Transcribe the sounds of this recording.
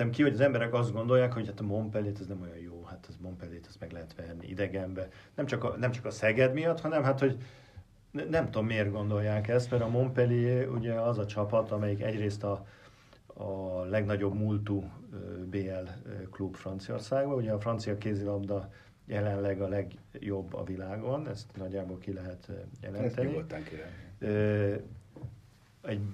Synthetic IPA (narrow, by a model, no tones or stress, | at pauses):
ɛmkiho̞ɟɒzɛmbɛɾɛkɒzd̪ɡo̞nd̪o̞jaːkho̞ɟhat̪ɒmo̞mpɛleːt̪ɛznɛmojɒnjoːhat̪ɛzmo̞mpɛleːt̪ɛ̥st̪mɛɡlɛɦɛt̪ʋɛrnḭʔḭd̪ɛɡɛmbɛ | nɛmt͡ʃɒkɒnɛmt͡ʃɒ̥kɒsɛɡɛd̪mijɒt̪hɒnɛmɦat̪ho̞ɟ | nɛmt̪o̞mːeːrɡo̞nd̪o̞jːaːkɛst̪mɛɾɒmo̞mpɛliṵɟɛɒzɒt͡ʃɒpɒt̪ɒmɛjikɛ̰ɟreːst̪ɒ | lɛɡnɒɟo̞bmult̪ubeːɛlklubfrɒnt̪sio̞̰rsaːɡbɒuɟɛɒfrɒnt̪sijɒkeːzilɒbd̪ɒ | jɛlɛnlɛɡɒlɛɡjo̞bːɒ̰vilaːɡo̞nɛst̪nɒɟːaːbolkilɛɦɛt̪jɛ̰lɛnt̪ɛnːit̪ŋkøː | ɛɟ